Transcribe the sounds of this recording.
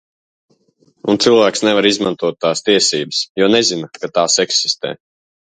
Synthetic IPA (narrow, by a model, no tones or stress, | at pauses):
ṵnt̪sɨlˠvæːksnɛvaɾizma̰nt̪uɔt̪ːaːst̪iɛsiːbəsjuɔnɛzinakat̪aːsɛksi̥st̪ɛ̰ː